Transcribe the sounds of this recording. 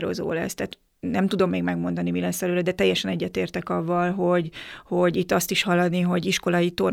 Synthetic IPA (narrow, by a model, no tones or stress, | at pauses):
ɾo̰zo̰ːlɛ̰st̪æːt̪ | nɛmt̪ud̪o̞mːeːɡmɛɡmo̞nd̪ɒnimilɛnsɛløːɾɛd̪ɛt̪ɛjːɛʃɛnɛɟːɛt̪eːrt̪ɛkɒvːɒlɦo̞ɟho̞ɟit̪ːɒst̪iʃhɒlːɒniɦo̞ɟiʃko̞lɒit̪or